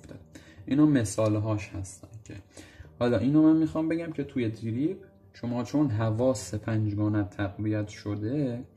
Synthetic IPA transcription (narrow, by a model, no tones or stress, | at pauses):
t̪ed̪ʔiːnɒːme̞sɒːlɦɒːʃhæst̪æ̰ncʰḛhɒːlɒːʔiːnomænmixɒːmbe̞ɟæmcʲʰe̞t̪ʰuje̞d̪iɾib | ʃomɒːt͡ʃʰo̞nɦævɒːsepʰænd͡ʒɡɒːnæt̪ʰːæɡvijæt̪ʰʃod̪e